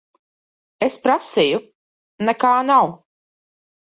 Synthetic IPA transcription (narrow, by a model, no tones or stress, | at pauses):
espɾasiju | nɛkaːnaw